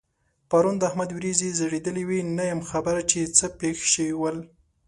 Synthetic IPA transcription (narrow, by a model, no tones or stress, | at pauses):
paɾund̪əahmad̪wɾizizəɽed̪əliwinajəmxabəɾat͡ʃet͡səpexʃəwiwəl